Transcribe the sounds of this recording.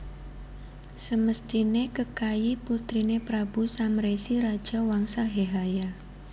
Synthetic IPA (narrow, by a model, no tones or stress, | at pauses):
səməst̪inekəkajiput̪ɾinepɾabusamɾesiɾad̥ʒ̥a̤waŋsaɦeɦaja